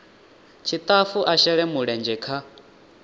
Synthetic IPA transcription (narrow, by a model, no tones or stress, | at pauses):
t͡ʃʰit̪ʼafuʔaʃɛɺɛmuɺɛnd͡ʒɛkʰa